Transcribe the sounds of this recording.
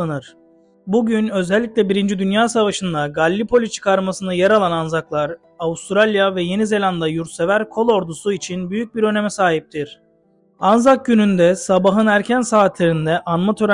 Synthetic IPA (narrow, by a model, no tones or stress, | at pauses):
anɯɾ̥ | buɟynø̞zɛlʲːiclʲɛbiɾind͡ʒid̪ynjaːsavaʃɯnd̪aɡalʲːipʰolʲit͡ʃʰɯ̥kʰaɾmasɯnɯjɛɾalˠananzaklˠaɾ | aust̪ɾalʲjavɛje̞nize̞lʲand̪ajuɾt̪se̞væɾkʰo̞lˠo̞ɾd̪usuit͡ʃʰinbyjyc̚biɾø̞ne̞mɛsaːɦip̚t̪ʰiɾ̥ | anzak̚ɟynynd̪ɛsabaɦɯnæɾcʰænsaːt̪lʲeɾind̪ɛʔanmat̪ʰøɾ